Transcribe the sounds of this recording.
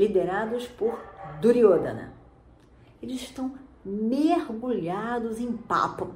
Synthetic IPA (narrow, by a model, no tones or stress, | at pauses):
lid̪eɾad̪ʊspʊɾd̪uɾiod̪ɐ̰nɐ̰ | elɪzɪʃt̪ɐ̃w̃meɾɡuʎad̪ʊzẽj̃pa̰pʊ